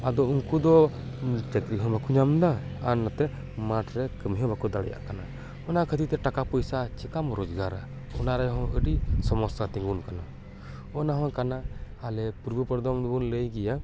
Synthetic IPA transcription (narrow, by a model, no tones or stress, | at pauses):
ad̪ɔuŋkud̪ɔ | t͡ʃɛkɾiɦɔ̃bakuɲamd̪a | anːat̪ɛ | maʈɾɛkəmɦɔ̃bakud̪aɽɛ̰ja̰ʔkana | ɔnakʰət̪it̪ɛʈakapɔjsat͡ʃikamɾɔd͡ʒɡaɾa | ɔnaɾajɦɔ̃ʔəɖisɔmɔsat̪iŋɡunkana | ɔnaɦɔ̃kanaː | lɛpuɾbəpəɾd̪ɔmd̪bunləjɡɛja